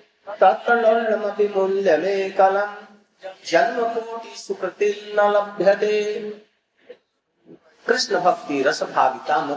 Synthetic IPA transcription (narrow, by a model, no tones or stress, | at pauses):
t̪ɐt̪ːɐlɐːnɐmɐpimulːjɐmeːkɐlɐm | d͡ʒɐnmɐpoːʈ̪isupɾɐt̪ilnɐlɐbʱjɐd̪eː | kɾɪʂɳɐbʱɐk̚t̪iɾɐsɐbʱa̰ːʋit̪aːmɐ